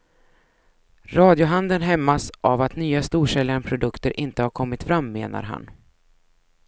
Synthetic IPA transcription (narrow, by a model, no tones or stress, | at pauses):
ɾɑːd̪jʊɦand̪ənɦɛmːasʔavat̪nyːast̪uːʂɛljaɳpʰɾʊd̪ɵkt̪əɾʔɪnt̪əhaɾkʰɔmːɪt̪fɾamːeːna̰ɾɦa̰n